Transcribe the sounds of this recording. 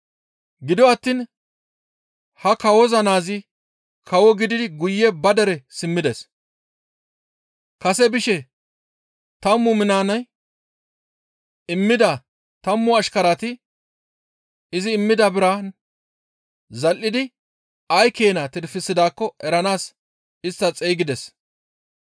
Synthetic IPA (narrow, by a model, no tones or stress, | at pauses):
ɡɪd̪ɔɐt̪ːiːn | hɐkɐwɔzɐnaːzɪ | kʰɐwɔɡɪd̪ɪd̪ɪɡʊjːɛbɐd̪ɛɾɛsɪmːɪd̪ɛs | kɐsɛbɪʃɛ | t̪ɐmːʊmɪnaːnɐj | ɪmːɪd̪ɐ | t̪ɐmːʊɐʃkɐɾat̪ɪ | ɪzɪːmːɪd̪ɐbɪɾa | zɐlːɪd̪ɪ | ɐjke̞ːnɐt̪ɪɾfɪsːɪd̪aːkːɔɛɾɐnaːs | ɪst̪ːɐt͡sʼejɡɪd̪ɛs